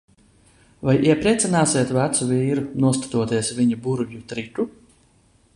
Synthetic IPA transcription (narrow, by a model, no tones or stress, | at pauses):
vajʔiɛpɾiɛt̪sinaːsiɛt̪væt̪suviːɾunuɔst̪u̥t̪uɔt̪iɛsviɲibuɾvjut̪ɾit̪u